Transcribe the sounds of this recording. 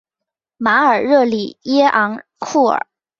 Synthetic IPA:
ma˧˥ə˞˨˩ɻɤ˥˩lḭ˨˩˦jɛ˥ʔɑ˧˥ŋ | kʰu˥˩ə̰˞˨˩˦

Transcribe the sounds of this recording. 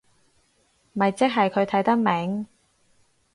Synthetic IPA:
mɐ˨jt͡sɪ˥k̚ɦɐ˨jkʰɵ˨˧ɥt̪ʰɐ˨˥jt̪ɐ˥k̚mɛ˨˥ŋ

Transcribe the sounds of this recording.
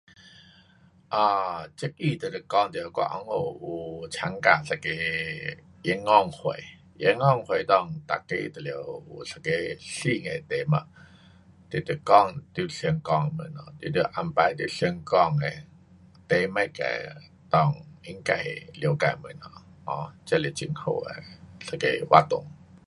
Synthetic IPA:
ʔa˧˩t͡ɕə˧˦k̚i˧˨t̪ə˨˩t̪ə˧˩kɔ˥˨ŋt̪ə˨˧˩kɔ̰˧˨ʔɔ̰˧˦ŋo˧˩ʔu˧˩t͡ɕʰa˧˦ŋka˧˩sa˧˩ke˧˦ | ʔŋɔ˥˧˨ŋhwe˨˧˨j | ʔḛ˧˦ŋːɔ˥˨ŋhwe˨˩jt̪ɔ˧˩ŋt̪a̰˨˩kːe˧˨t̪ə˨li˧˨ə˧˨wu˧˩sa˧˩ke˧˦ɬi˥˧˨ŋe˨˩t̪e˧˦ma˧ | t̪e˨˧˩t̪ə˧˩kɔ˧˨ŋt̪u˧˩ɬi˧əŋkɔ˧˨ŋmə˧˥nːɔ˧t̪i˧t̪ə˧ʔa˧˨mpa˧jt̪ɨ˧˦ɬi˧ŋkɔ˧˩ŋe˨ | t̪e˧˦ma˧˨jka̰˧˩j | t̪ɔ˧˩˨ŋi˧˦ŋka̰˧˩jli˧ə˨wka˧˩jmə˧˦˨nɔ˧˩ʔɔ˧˦t͡ɕə˧˨li˧˨t͡ɕi˧˨ŋho̰˧˩a̰˨ɬa˧kḛ˧˦wa̰˧t̪o˧˨ŋ

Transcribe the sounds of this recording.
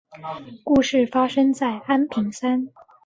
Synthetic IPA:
ku˥˧ʂɻ̩˥˩fa˥ʂɤ˥ŋt͡sa˥˩ɪa˥npʰi˧˥ŋsa˥n

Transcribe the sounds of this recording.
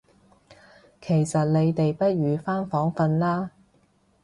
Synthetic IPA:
kʰe˨˩jsɐ˨t̚le˨˧jt̪e˨jpɐ˥t̚ɥyː˨˧faː˥nfɔː˨˥ŋfɐ˧nlaː˥

